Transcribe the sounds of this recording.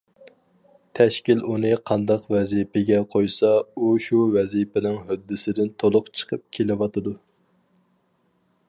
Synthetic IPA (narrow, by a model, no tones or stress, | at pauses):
t̪ʰɛʃkʲilunɨqʰɑnd̪ɑqvɛzipɪɡʲɛqʰojsɑuʃuvɛzipɪnɪŋɦød̪ːɪsɪd̪ɪnt̪ʰolˠʊqt͡ʃʰə̥qʰəp̚kʲʰelɪwɑt̪ɨd̪u